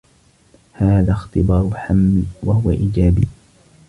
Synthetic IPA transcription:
haːðaːxt̪ɪbɑːɾˤʊħamːwahʊwa̰ʔiːd͡ʒaːbiː

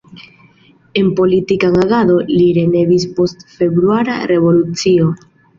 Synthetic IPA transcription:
e̞npo̞litikaŋaɡado̞liɾe̞ne̞vispo̞stfe̞bɾuaɾa̰ɾe̞vo̞lut͡sio̞

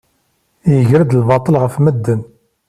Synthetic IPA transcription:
jəʝɾəd̪lbɑt̪ˤːəlʁəfməd̪ːən

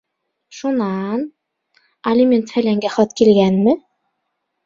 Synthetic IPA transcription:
ʃunɑn | ɐlʲimʲent̪hælæŋɡæχɑt̪kilɡænmɘ

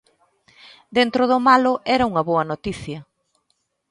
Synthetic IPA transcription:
d̪ent̪ɾoðomalʊʔɛɾɐuŋɐβoɐnot̪iθjɐ

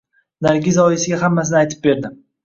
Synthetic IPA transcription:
naɾɡʲɪzɒjɪsɪɡʲaɦamːas̬ɪnɪajt̪ʰɪ̥p̚be̞ɾd̪ɪ

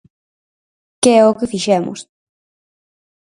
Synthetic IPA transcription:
keokɨfiʃemʔṵs

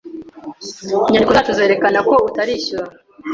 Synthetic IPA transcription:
iɲandikuzatuze̞ːɾe̞kanako̞utaɾiːɕuɾa

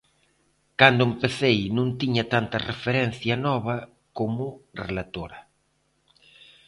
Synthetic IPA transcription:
kand̪ʊempeθejnũŋt̪iɲɐt̪ant̪ɐrefeɾɛn̟θjɐnɔβ̞ɐ | komʊrelat̪oɾɐ

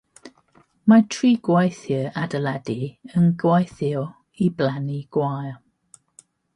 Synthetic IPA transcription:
matʰriːɡwajθjəadəlɛdiənɡwajθɪw | iblaniɡ̥wajˠ

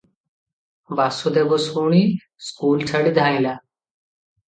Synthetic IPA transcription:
ʋaːsuːd̪eːboːsuːɳiː | skuːlt͡ʃʰəɽid̪ʱaːĩːlaː

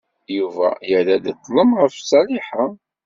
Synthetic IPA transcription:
juvæ̰jəlæd̪ət̪ˤːləmʁəfsˤɑliħa

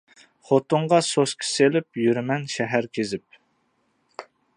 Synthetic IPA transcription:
χot̪ʊɴʁɑsoskʲʰi̥selɪpjyɾmɛnʃɛɦæɾkʲʰezɪp̚

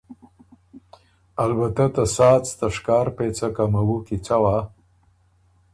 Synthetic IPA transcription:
albat̪at̪asɑːt͡st̪aʂkɑːɾpet͡sakamawukit͡sawa

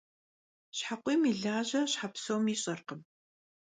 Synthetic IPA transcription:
ɕħaqʷiːmiːɮaːʑɐɕħapsowmiːɕʼɐrqəm

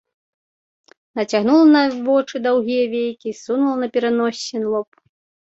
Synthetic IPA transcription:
nɐt͡sʲaɣnulˠɐnɐvɔt͡ʂɨd̪awɣʲijɐvʲejkʲisunulˠɐnɐpʲɛɾanɔsʲːɛnlˠɔp

